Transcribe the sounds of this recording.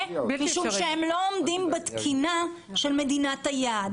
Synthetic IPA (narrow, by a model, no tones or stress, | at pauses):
miʃuʃehemlo̞omdimbet̪kʰina | ʃelme̞d̪inat̪ajad